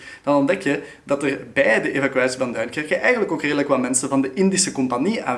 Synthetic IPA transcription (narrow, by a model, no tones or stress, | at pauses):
d̥ɑnɔndɛkjə | dɑtərbɛjdəʔevakyaːsivɑndœɥnkɛrkəʔɛjɣənləkoːkreːdələkʋaːmɛnsənvɑndəʔɪndisəkɔmpania̰ː